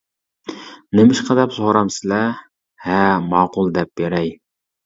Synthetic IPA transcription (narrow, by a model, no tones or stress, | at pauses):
nɪmɪʃqʰɑd̪ɛpsoɾɑmsɪlɛ | hɛmɑːqʊlˠd̪ɛp̚beɾɛj